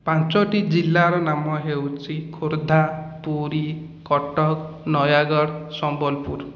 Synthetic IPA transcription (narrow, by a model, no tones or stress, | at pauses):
pãnt͡ʃɔʈid͡ʒilːaɾɔnamɔɦewt͡ʃʰikʰoɾd̪ʱapuɾi | kɔʈɔk | nɔjaɡɔɽsɔmbɔlpuɾ